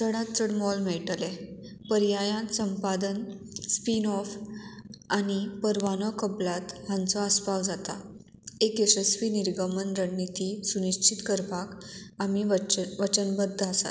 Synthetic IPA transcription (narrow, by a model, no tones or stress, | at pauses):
t̪əɽat̪t͡səɽmɔlmɛɭʈle | pəɾjajãnsəmpad̪ən | spinɔf | añipəɾʋanɔkəblat̪hãnt͡sɔəspawd͡zat̪a̰ | ekesəsʋiːniɾɡəmənɾəɳːit̪isuniɕt͡ɕʰit̪kəɾpakamiʋət͡ɕənbəd̪ʱːəəsa̰t̪